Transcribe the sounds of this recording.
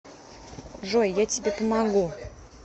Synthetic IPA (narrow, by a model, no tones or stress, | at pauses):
ʐojːatʲibʲepəmaɡu